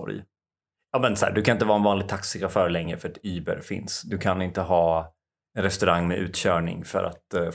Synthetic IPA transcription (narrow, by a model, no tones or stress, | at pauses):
ɔ̰ɾj | jɑːmɛnsæ̰ːɖ̪ɵkʰanɪnt̪əvɑːɛnvɑːnlɪɡ̚t̪ʰaksɪɡɾafœːɾlɛŋːɾəfœɾɛt̪yːbə̰ɾfɪ̰nsd̪ɵkʰanɪnt̪əɦɑː | ɛɾɛst̪ɵɾaŋːmɛʔʉ̟ːt̪ɕœːɳɪ̰ŋfœ̰ɾʔa̰t̪